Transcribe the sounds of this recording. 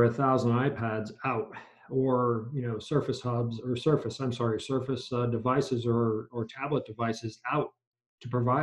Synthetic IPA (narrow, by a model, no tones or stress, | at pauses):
ɨθaʊzn̩daɪpʰædzaʊt | ə˞jɨnoʊsɜ˞fɨshɑbzə˞sɜ˞fɨsãɪ̃msɑɹisɜ˞fɨsdɨvaɪsɨzə˞ə˞tʰæblət̚d̥ɨvaɪsɨzaʊtʰ | ɨpʰɹ̥ɨvaɪ